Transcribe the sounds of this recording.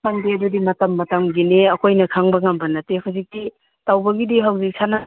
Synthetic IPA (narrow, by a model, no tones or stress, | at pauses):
aŋdeɐdudimɐtɐmːɐtɐmɡineɐkʰojnɐkʰaŋbɐŋambɐnɐtehazik̚ti | tawbɐɡidiɦawzik̚sana